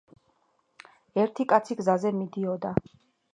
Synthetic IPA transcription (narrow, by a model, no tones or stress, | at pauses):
ɛɾt̪ʰikʼat̪sʰiɡzazɛmid̪iɔd̪a